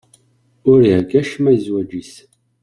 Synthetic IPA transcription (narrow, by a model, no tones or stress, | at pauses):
ʊɾihɡæʃmæjzwæd͡ʒis